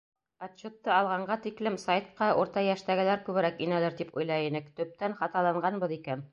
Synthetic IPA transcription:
pɑt̪ɕːot̪ːɤɑlˠʁɑɴɢɑt̪iklɘmsajt̪̚qɑʔuɾt̪ɑjæʃt̪æɡɘ̆læɾkʉβɘ̆ɾækinælɘɾt̪ipṵjlˠɑjinɘkt̪ɵ̆p̚t̪ænχɑt̪ɑlˠɑɴɢɑnbɤðikæn

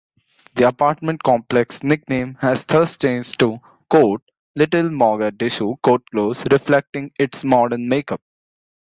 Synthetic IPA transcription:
d̪iɐpaːɾʈmə̃ɳʈ̚kɔ̃ːmplɛksnɪknẽːmhɛz̥t̪ʰəɾsʈt͡ʃẽːnd͡ʒʈu | koːʈ̚ | lɪʈəlmɔːɡəɖɪʃuːkoːʈ̚kloːzɾɪflɛk̚ʈɪ̃ŋɪʈsmɔːɖəɾnmeːkəp̚

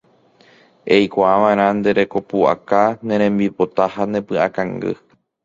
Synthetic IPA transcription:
e̞jkʷaaʋãẽɾ̃ãnd̪e̞ɾe̞ko̞pua̰kanẽ̞ɾ̃ẽ̞mbipo̞t̪ahanẽ̞pɨakãŋɡɨ̰

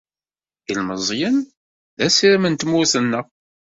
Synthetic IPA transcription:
jəlməzˤjən | ðæsiɾmənt̪mʊsənːə

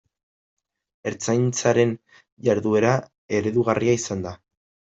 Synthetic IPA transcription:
e̞ɾt͡sajnt͡saɾe̞n | ʝaɾðue̞ɾa | e̞ɾe̞ðuɣariaisand̪a

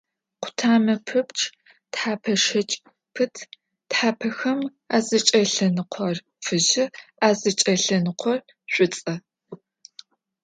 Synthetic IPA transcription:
qʷʰʊ̥tʰaːmɐpʰɨpt͡ʃʰʼ | tħaːpʰɐʂɐt͡ʃʼ | pʰɨtʰ | tħaːpʰɐxɐm | aːzɐt͡ʃʼɐɬɐnɨqʷʰɔr | fɨʑɪaːzɐt͡ʃʼɐɬɐnɨqʷʰɔr | ɕʷʼʊt͡sʼɐ

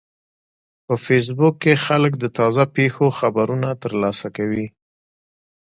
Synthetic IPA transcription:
pəfes̬bʊkːexalək̬d̪ət̪ɑzapexoxabaɾunat̪əɾlɑsakawi

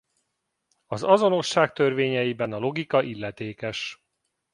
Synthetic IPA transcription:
ɒzɒzo̞no̞ʃːaːk̚t̪ø̞rveːɲɛjibɛnɒlo̞ɡikɒʔilːɛt̪eːkɛʃ

